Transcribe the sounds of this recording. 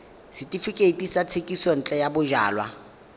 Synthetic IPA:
sɪtʼifikʼetʼisat͡sʰekʼisɔn̩t͡ɬʼɛjabʊʒa̰ːlwa

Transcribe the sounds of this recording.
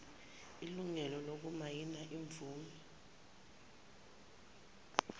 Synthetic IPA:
iluŋɛlɔlok̬umajinaʔiɱvuːmɛ

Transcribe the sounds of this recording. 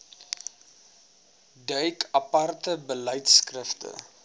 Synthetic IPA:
dəjkʰɐpɐrtəbələjtskrəftə̰

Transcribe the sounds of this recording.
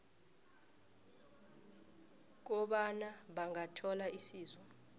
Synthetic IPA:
k̬ɔɓanaɓaŋatʰɔlaʔisiːzwɔ

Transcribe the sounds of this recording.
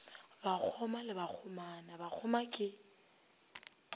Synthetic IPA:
bak͡xʰɔmalɪbak͡xʰʊmanabak͡xʰʊmakʼɪ

